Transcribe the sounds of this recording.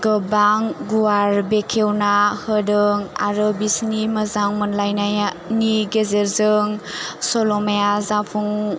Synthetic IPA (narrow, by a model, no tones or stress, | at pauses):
ɡəbaŋɡuaɾbekʰewnahɯdɯŋa̰ɾɯbisniməzaŋmɯnlajnaja | niɡezeɾzɯŋsɔlɔmajazapʰuŋ